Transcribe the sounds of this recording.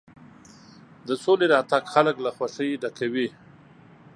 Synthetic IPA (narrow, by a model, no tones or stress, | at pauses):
d̪əsoleɾɑt̪aɡxaləklaxwaʂəjɖakawi